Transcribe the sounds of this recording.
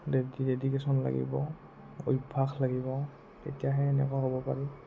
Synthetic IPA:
dedidedikɛsɔnla̰ɡḭbɔ | ojbʱaxlaɡibɔ | tḛtijaɦɛːnɛ̰kaɦɔbɔpa̰ɹi

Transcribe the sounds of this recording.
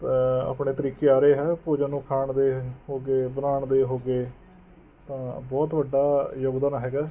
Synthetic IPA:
a̰ːpɳeːt̪əɾiːkeːaːɾeːɦɛːpoːd͡ʒãːnũːkʰaːɳd̪eːɦoːɡeːbəɾaːɳd̪eːɦoːɡeː | t̪ãːbɔːt̪ʋəɖːaːjoːɡd̪əːnɦɛːɡaː

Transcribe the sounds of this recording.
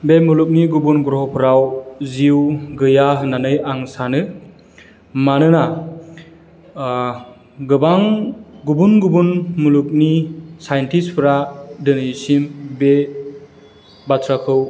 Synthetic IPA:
bemuluk̚niɡubunɡuɾhɔpʰɯɾawziwɡɯjaɦɯnanɯjaŋsanɯ | manɯna | ɡɯbaŋɡubunɡubunmuluk̚nisajntʰispʰɯɾadɯnɯjsimbe | batʰɾakʰɯw

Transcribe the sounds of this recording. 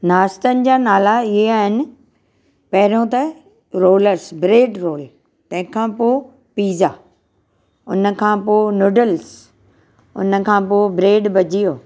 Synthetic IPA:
naːst̪ənɪ̆d͡ʑaːnaːlaɪɦeaːɦɪnɪ̆ | pɐɦɪɾõt̪ɐ | ɾoːləɾsbɾeːɖɾoːl | t̪ɐ̃ɦɪ̃kʰãːpoː | piːza | ʊ̰nə̆kʰãːpoːnoːɖəls | ʊ̰nə̆kʰãːpoːbɾeːɖbɐd͡ʑijoː

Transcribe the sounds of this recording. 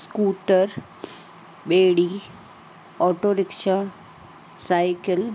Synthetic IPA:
skuːʈəɾ | beːɽi | ɔːʈoɾɪkʃa | sajkəl

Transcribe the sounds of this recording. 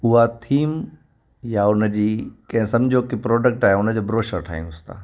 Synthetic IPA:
ʊɦat̪ʰiːm | jaʊnə̆d͡ʑiːkɐ̃ɦɪ̃sɐ̃md͡ʑʱokipɾɔːɖək̚ʈaːɦeʊnə̆d͡ʑobɾoːʃəɾʈʰa̰ːḭ̃nʊst̪a̰ː

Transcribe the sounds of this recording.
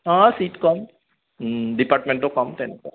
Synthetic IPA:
ɦãsiːʈkɔm | ɖipaːɾʈmẽɳʈokɔmt̪ɛneko

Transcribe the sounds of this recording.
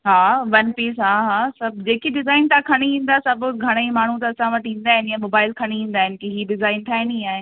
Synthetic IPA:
ɦaːʋɐnpiːsɦaːɦaːsɐbd͡ʑeːkiɖɪzaːɪnt̪ʰãkʰɐɽ̃iĩːn̆d̪aːɦɛsɐbɡʱɐɽ̃eimaːɳ̤ũt̪̬ɐɐsãʋɐʈĩːn̆d̪aːɦɪnjãmoːbaːɪlkʰɐɽ̃iĩːn̆d̪aːɦɪnɪkiɦiːɖɪzaːɪnt̪ʰaːɦɪnĩaːɦɪn

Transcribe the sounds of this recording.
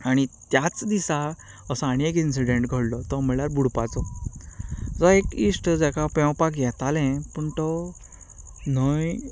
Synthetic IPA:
aɽ̃it̪jat͡sd̪isa | əsaɽ̃iek̬insiɖeɳʈɡʱəɽlɔt̪ɔməljaɾbuɽpat͡sɔ | d͡zɔekisʈd͡zakapɛ̃wpakjɛt̪alɛ̃pəɳt̪ɔ | nəj

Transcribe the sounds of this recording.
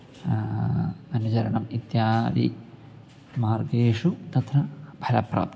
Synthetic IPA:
ɐnːuɐd͡ʒɐɾɐɳɐmit̪jaːd̪ḭ | maːɾɡeːʂut̪ɐt̪ʰɾɐbʱɐlɐpɾa̰ːp̚t̪i

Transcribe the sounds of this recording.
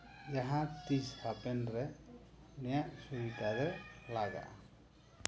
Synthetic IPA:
d͡ʒaɦãt̪ishapɛnɾɛ | nɛjaʔsuɾikad̪ɛlaɡa̰

